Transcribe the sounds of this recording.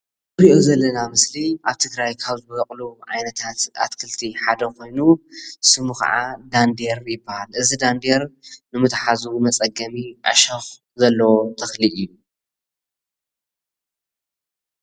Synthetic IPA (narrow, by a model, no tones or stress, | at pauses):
ɨɾiʔozɐlːɐnamɨsliʔaβt̪ʰɨɡɾajkʰaβzɨbɨɡɐkʼluʕa̰jnɐt̪ʰat̪a̰t̪kʰɨlt̪ʰiħad̪ɐkʰo̞jnusɨmukɐ̰ʕa̰d̪and̪eɾjɪbːɐhalʔɨzid̪and̪eɾnɨmɨt̪ħazumɐt͡sʼɐɡɐmiʔa̰ʃɐx | zɐlːɐwot̪ʰɐxliʔɨjːu